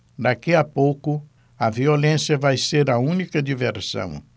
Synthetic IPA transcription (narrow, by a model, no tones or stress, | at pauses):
d̪akiɐpowkʊ | ɐviolẽsjɐvajseɾɐũnikɐd̪iveɾsɐ̰̃w̃